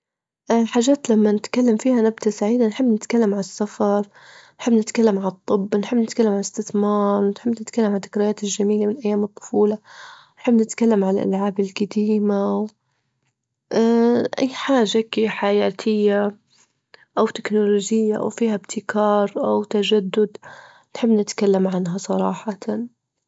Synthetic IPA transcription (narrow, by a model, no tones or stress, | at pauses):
ʔħaːʒːaːt̪lamːanɪt̪kalːamfiːhanabd̪asaʕiːd̪anħɪbːnɪt̪kalːamʕasːafɑɾˤ | nħɪbːnɪt̪kalːamʕat̪ˤːɨbːnħɪbnɪt̪kalːamʕalɪst̪ɪθmɑːɾˤnħɪbːnɪt̪kalːamʕalt̪ːɪkɾɪjaːt̪ɪlʒamiːlamɪnʔajːaːmɨt̪ˤːʊ̥fuːla | nħɪbːnɪt̪kalːamʕalʔa̰lʕaːbɪlɡad̪iːmaw | ʔʔa̰jːħaːʒːakiħajaːt̪ʰɪjːa | ʔawt̪ɪknʊloːʒɪjːaʔa̰wfiːhabt̪ʰɪkɑːɾˤʔawt̪ad͡ʒad̪ːʊd̪ | nħɪbːnɪt̪kalːamʕanɦasˤɑɾˤɑːħat̪a